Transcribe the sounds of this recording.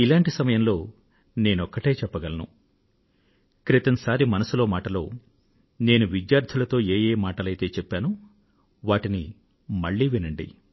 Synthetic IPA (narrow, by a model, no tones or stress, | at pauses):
ilaːɳʈisɐmɐjɐmlo̞ː | ne̞ːnɔkːɐʈe̞ːt͡ʃɛpːɐɡɐlɐnṵ | kɾit̪ɐnsaːɾimɐnɐsulo̞ːmaːʈɐlo̞ː | ne̞ːnuʋid̪jaːɾd̪ʰʱulɐt̪o̞ːeːjeːmaːʈɐlɐjt̪e̞ːt͡ʃɛpːaːnu | ʋaːʈini | mɐɭːiːʋinɐɳɖḭ